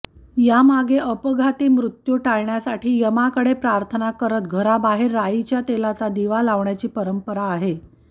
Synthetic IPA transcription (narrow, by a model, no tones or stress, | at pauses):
jamaɡeʔəpəɡʱat̪iːmɾut̪juʈaɭɳjasaʈʰiːjəmakəɽepɾaɾt̪ʰənakəɾət̪̚ɡʱəɾabaɦeɾːait͡ɕjat̪elat͡sad̪iʋalaʋɳjat͡ɕiːpəɾəmpəɾaːɦe